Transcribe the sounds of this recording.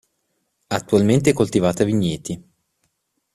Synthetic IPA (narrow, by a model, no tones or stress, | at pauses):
at̪ːualment̪̬eɛkːolt̪ivaːt̪aviɲːɛt̪i